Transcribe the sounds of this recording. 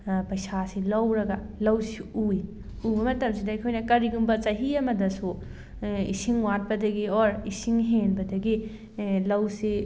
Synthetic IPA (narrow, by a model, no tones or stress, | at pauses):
pɐjsasilɐwɾɐɡalɐwsiui | ubɐmɐtɐmsidɐɐjkʰojnɐkɐɾiɡumbɐt͡ʃɐɦiɐmɐdɐsu | ḭsiŋwat̚pɐdɐɡioɾisiŋɦenbɐdɐɡi | lɐwsi